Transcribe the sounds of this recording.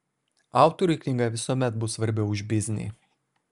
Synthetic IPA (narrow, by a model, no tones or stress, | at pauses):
ɑˑʊt̪ɔɾʲʊɪkʲlʲɪŋɡɐʋʲɪsuɔmʲɛt̪̚bʊsʋɐɾʲbʲɛʊʊʒʲbʲɪzʲnʲɪ̰